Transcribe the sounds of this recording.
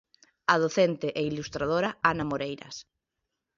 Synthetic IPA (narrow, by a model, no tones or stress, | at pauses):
að̞oθent̪eʔeilust̪ɾað̞oɾaanamoɾejɾɐ̰s